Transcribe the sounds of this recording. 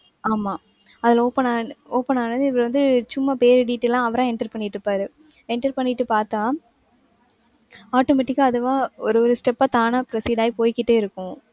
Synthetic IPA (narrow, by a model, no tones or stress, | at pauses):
aːmaː | ɐðɪloːpːɐnaːoːpɐnaːnːɐðɯɪʋɐɾʋɐnd̪ɯt͡ʃʊmːɐpeːɾɯɖiːʈːɛlãːɐʋɐɾɐ̃ːɛɳʈɐɾpɐɳːɪʈːɾɯpːaːɾɯ | ɛɳʈɐɾpɐnːɪʈːɯpaːɾt̪ãː | aːʈomɛʈːɪkːaɐðɯʋãːɔɾɯɔɾɯsʈɛpːaːt̪aːnapɪɾɐsiːɖaːjipoːjkɪʈːeːɪɾɯkːʊ̃